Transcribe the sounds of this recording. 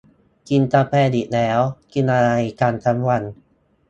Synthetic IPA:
ki˧nt̪a˧pʰɛː˧˩di˨˩lɛː˦˥wki˧nʔa˧jkaː˧nt̪ʰa˦˥mwa˧n

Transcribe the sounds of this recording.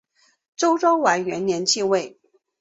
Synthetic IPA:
ʈ͡ʂo˥ʊʈ͡ʂo˥ʊwa˧˥ɪɥɛ˧˥nnjɛ˧˥nt͡ɕʰi˥˧we˥˩ɪ

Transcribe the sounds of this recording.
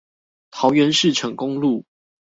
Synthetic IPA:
t̪ʰɑ˨˦ʊɥɛ˨˦nʂɻ̩˥˨ʈ͡ʂʰɤ˨˥ŋkʊ˦ŋlu˥˨

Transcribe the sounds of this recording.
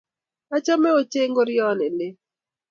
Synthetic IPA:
a˦t͡ʃa˦mɛ˦o˦t͡ʃe˦ŋɡo˦ɾjɔ˦nɪ˨nɪ˦

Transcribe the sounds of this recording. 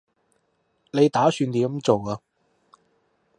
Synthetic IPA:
ne˨˧jt̪aː˨˥syː˧nt̪iː˨˥˨mt͡so˨waː˧

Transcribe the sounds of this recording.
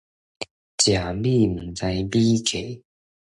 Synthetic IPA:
t͡ɕja˨˩bi˥˨m̩˨˩ŋt͡sa˧ɪbi˦kʰe˨˩˦

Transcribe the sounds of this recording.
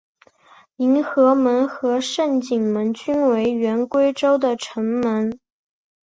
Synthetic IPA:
i˧˥nxɤ˧˥mə˧˥nxɤ˧˥ʂə˥˩nt͡ɕi˨˩ŋmə˧˥nt͡ɕy˥nwe˧˥ɪɥɛ˧˥nkwe˥ɪʈ͡ʂo˥ʊd̪ə˨ʈ͡ʂʰə˧˥ŋmə˧˥n

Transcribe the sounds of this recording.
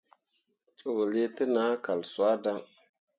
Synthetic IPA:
t͡su˨wli˦tə˦na˨˦ka˨lswa˦da˦ŋ

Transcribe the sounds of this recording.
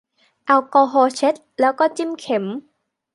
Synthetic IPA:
ʔa˧wkɔː˧ɦɔː˧t͡ɕe˦˥t̪̚lɛː˨˦˥wkɔː˧˥t͡ɕi˧˥mkʰe˨˩˦m

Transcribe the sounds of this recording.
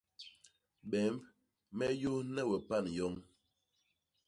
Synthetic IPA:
ɓɛ˨˦mb | mɛ˦jo˦nɛ˦˨wɛ˨pa˦˨njɔ˦ŋ

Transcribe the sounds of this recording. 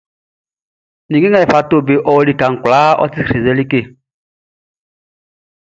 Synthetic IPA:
ni˨ɡe˦ŋa˨fa˨to˦˨be˨ʔɔ˦li˦ka˨ŋ̩˨kʷlaː˦ɔ̰˦ti˦˨ɾe˨ze˦li˦ke˦˨

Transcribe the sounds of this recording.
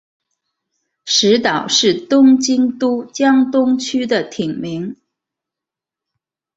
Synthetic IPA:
ʂɻ̩˧˥t̪ɑ˨˩ʊʂɻ̩˥˩t̪ʊ˥ŋt͡ɕi˥ŋt̪u˥t͡ɕjɑ˥ŋt̪ʊ˥ŋt͡ɕʰy˥d̪ə˨t̪ʰi˨˩ŋmi˧˥ŋ

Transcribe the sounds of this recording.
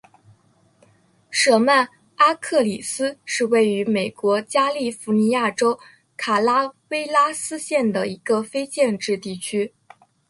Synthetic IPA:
ʂɤ˧˩ma˥˩n | a˥kʰɤ˥˩li˨˩sɹ̩˥ʂɻ̩˥˧we˥˩ɪy˧˥me˨˩ɪkwɔ˧˥t͡ɕja˥li˥˩fu˧˥ni˧˥ja˥˩ʈ͡ʂo˥ʊ | kʰa˨˩la˥we˥ɪla˥sɹ̩˥ɕjɛ˥˩nd̪ə˩i˧˥ɡə˧fe˥ɪt͡ɕjɛ˥˧nʈ͡ʂɻ̩˥˧t̪i˥˩t͡ɕʰy˥

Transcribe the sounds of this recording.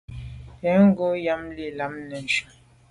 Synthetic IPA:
ɛ˨˦ŋ˦ɡo˦ja˦mli˨la˨˦mnɛ˨n˨ʃu˨

